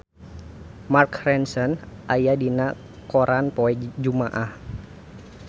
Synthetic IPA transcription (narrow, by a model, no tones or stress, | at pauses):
markrɛnsɔnʔajadina | koɾʔanpɔɛd͡ʒumaʔah